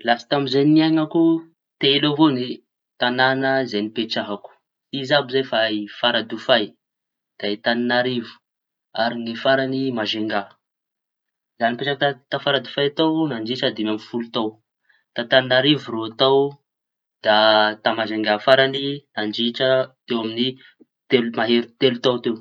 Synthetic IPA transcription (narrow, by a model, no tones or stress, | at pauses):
lasə̥t̪amizeniaŋaku | t̪eloɦoni | t̪ananəzajnipeʈ͡ʂaɦaku̥ | izabizafaifaɾad̪ufaj | d̪̥ait̪aninaɾivu̥ | aɾiŋifaɾanimaʒeŋɡa | zanipeʈ͡ʂak̚t̪at̪afaɾad̪ufajat̪awnand͡ʒiʈ͡ʂad̪imamifulut̪aw | t̪at̪aninaɾivuroat̪aw | d̪̥at̪amaʒeŋɡafaɾaninand͡ʒiʈ͡ʂət̪ewamini | t̪elumaɦeɾut̪elut̪awt̪ew